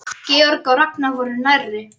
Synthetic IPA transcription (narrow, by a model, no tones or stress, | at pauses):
cɛːɔɾkawɾaknavɔɾʏnajrːɪ